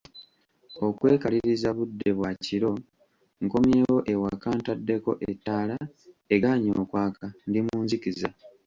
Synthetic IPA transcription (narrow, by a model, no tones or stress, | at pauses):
o̞kwe̞ːkaliɾizaβudːe̞βwaciɾo̞ | ŋkomjeːwo̞ʔe̞wakaːntadːe̞ko̞ʔetːaːla | e̞ɡaɲo̰ːkwaːkandimuːnzikiza